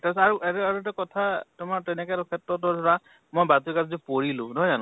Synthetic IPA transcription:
tɛsaɹuʔɛɾɛaɹuɛt̬ɛkɔtʰatʊmaɹtɛnɛkɛtɔkʰɛtːɔtɔdʱɔɹa | mɔjbatukazzipoɹilʊ̃nɔɦɔjzanʊ̃

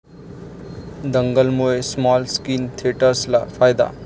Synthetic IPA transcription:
d̪əŋɡəlmoesmɔlskint̪ʰieʈəɾslafʰajd̪a̰

